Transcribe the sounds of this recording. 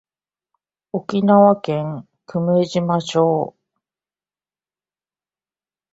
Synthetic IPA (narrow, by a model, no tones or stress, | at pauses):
okʲinaβakẽ̞ŋ | kɯ̟mɯ̟eʑimaɕo̞ː